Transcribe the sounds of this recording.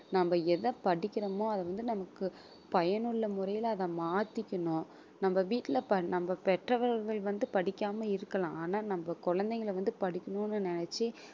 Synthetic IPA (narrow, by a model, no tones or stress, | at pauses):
nɐmbɐɛðɐpɐɽɪkʲːɪɾɐmõːɐðɐʋɐnd̪ɯnɐmɐkːɯ | pɐjɐnɯɭːɐmʊrɐjɪlːðɐ̃maːt̪ɪkʲːɐɳʊ̃ː | nɐmbɐʋiːʈːɪlɐpɐnɐmbɐpɛʈrɐʋɐɾɾɣɐɭʋɐnd̪ɯpɐɽɪkʲːaːmɐɪɾɯkːɐlãːaːnaːnɐmbɐkɔɻɐnd̪ɐŋɡɐɭʋɐnd̪ɯpɐɽɪkʲːɐɳõːnːɯnɪnɛt͡ʃːi